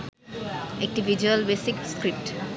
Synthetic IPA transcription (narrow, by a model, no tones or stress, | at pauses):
ɛk̚ʈivid͡ʒuəlbesikskɾip̚ʈ